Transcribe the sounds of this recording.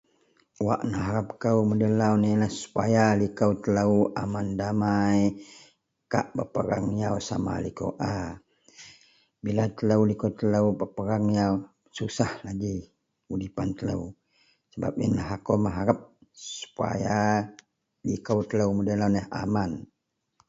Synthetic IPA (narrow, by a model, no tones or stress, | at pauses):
wa̰ʔnəɦaɾap̚kəwmədəlawnələhsu̥pajalikəwt̪ələwʔamandamaj | kaʔpəpəɾaŋjawsa̰ma̰liko̰wʔa | bilat̪ələwlikowt̪ələwpəpəɾaŋjaw | susahlaɡi | udipant̪ələ̰w | səba̰p̚ənlaɦakoməɦaɾap̚ssu̥pa̰ja | likəwt̪ələwmədəlawnəɦa̰man